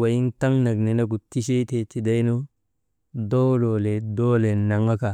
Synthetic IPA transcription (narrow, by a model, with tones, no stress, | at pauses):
wa˨ji˦nta˦ŋna˨ɡne˨na˦ɡu˨ti˦ʃe˦te˨ti˨da˦jno˦ | do˦lo˨le˨do˦le˨na˨ŋa˦ka˨